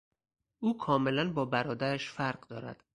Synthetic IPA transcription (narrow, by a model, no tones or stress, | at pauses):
ʔuːkʰɒːme̞lænbɒːbæɾɒːd̪æɾæʃfæɾɢd̪ɒ̰ːɾæ̰d̪̥